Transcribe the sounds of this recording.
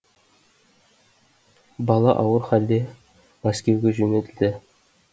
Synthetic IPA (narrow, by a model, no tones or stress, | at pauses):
bɑlˠɑ̰ʔɑwəɾχæld̪e | mæskʲewɡʲeʒɵnet̪ɪ̆ld̪ɘ